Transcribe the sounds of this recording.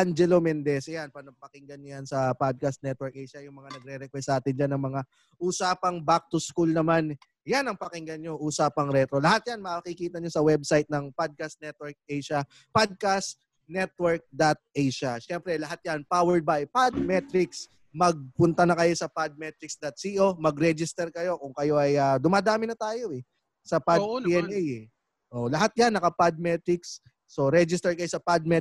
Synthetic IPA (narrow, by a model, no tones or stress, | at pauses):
ʔand͡ʒɛlomɛnd̪ɛsɛjanpɐnpɐkɪŋɡɐnɲojansɐpad̪̚kɐst̪nɛt̪̚wɛɹk̚ʔɛjʃɐjʊŋmɐŋanɐɡ̚ɾɛɾɛkwɛst̪aːt̪ɪnd͡ʒanːɐŋmɐŋa | ʔusaːpɐŋbak̚t̪ʊskulnɐman | janɐŋpɐkɪŋɡɐnɲo̞ʔuːsaːpɐŋɾɛt̪ɾo̞lɐhat̪̚janmɐakikiːt̪ɐɲosɐwɛbsajt̪̚nɐŋpad̪̚kast̪̚nɛt̪̚wɛɹk̚ɛjʃɐ | pad̪̚kas | nɛt̪̚wɛɹk̚d̪at̪̚ɛjʃɐʃɛmpɾɛlɐɦat̪̚jɐnpawɛɹd̪̚bɐjpad̪̚mɛt̪ɾɪks | mɐɡ̚pʊnt̪ɐnɐkɐjo̞sɐpad̪̚mɛt̪ɾɪksd̪ɐt̪̚siʔo̞mɐɡɾɛd͡ʒɪst̪ɛɾkɐjo̞kʊŋkɐjo̞ʔɐjɐd̪ʊmaːd̪aːmɪnɐt̪aːjo̞ʔɛ | sɐpaɛɛjɛ | ʔoːʔlɐɦat̪̚janːɐkɐpad̪̚mɛt̪ɾɪksː | o̞ɾɛd͡ʒɪst̪ɛɹkɐjosɐpad̪̚mɛ